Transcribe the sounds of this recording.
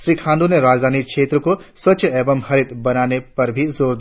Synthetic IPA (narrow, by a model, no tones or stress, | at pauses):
ʃɾiːkʰãːnd̪ʱuneɾaːd͡ʒd̪ʱaːnikʃeːt̪ɾəkoswɐtːt͡ʃəɛːbəmhɐɾɪt̪bɐnaːnepɐɾbʱizoːɾd̪